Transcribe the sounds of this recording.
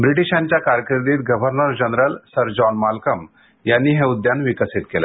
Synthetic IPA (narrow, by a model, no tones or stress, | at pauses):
bɾiʈiɕãɲt͡ɕjakaɾjəkiɾd̪iːt̪̚ɡəʋʱəɾnəɾd͡ʑənɾəlsəɾd͡ʑɔnmalkəm | janːiːɦẽud̪janʋikəsit̪̚kela